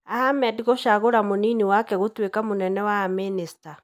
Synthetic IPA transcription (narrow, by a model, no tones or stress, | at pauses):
ahamɛdɣoʃaɣoɾamoniniwakɛɣotwekamonɛnɛwaːminista